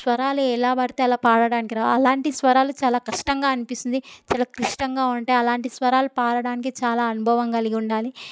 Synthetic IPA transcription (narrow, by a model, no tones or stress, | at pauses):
sʋɐɾaːluɛlaːbɐɽɐt̪eːɐlaːpaːɽɐɽaːnikiɾaːɐlaːɳʈisʋɐɾaːlut͡ʃaːlaːkɐʂʈɐŋɡaːɐnipist̪und̪it͡ʃaːlaːkɾiʂʈɐŋɡaːuɳʈeːɐlaːɳʈisʋɐɾaːlupaːɽɐɽaːnik̬it͡ʃaːlaːɐnubʱɐʋɐŋkɐliɡiuɳɖaːli